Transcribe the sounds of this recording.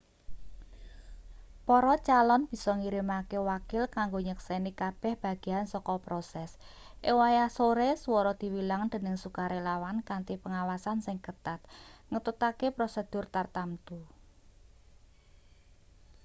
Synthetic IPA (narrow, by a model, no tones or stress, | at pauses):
pɔɾɔt͡ʃalɔnb̥i̤sɔŋiɾimakewakɪlkaŋɡoɲəksenikab̥ɛ̤hb̥a̤ɡ̥e̤ansɔkɔpɾosɛs | ʔewajasoɾeswɔɾɔd̪̥i̤wilaŋd̪̥ə̤nəŋsukaɾelawankant̪ipəŋawasansɪŋkət̪at̪̚ŋət̪ut̪akepɾosed̪̥ʊ̤rt̪art̪amt̪u